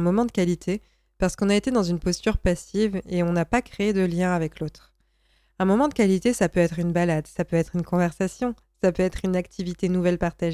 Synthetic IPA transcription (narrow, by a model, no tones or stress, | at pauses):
mɔmɑ̃d̪əkalit̪ʰe | paʁsə̥kɔ̃naet̪ed̪ɑ̃zynpɔst̪yʁpasiveɔ̃napakχeːd̪əljɛ̃avɛklot̪χ | ɛ̃mɔmɑ̃d̪əkalit̪esapøɛt̪χynbalad̪sapøɛt̪χynkɔ̃vɛʁsasjɔ̃ | sapøɛt̪χynak̚t̪ʰivit̪enuvɛlpaʁt̪aʒe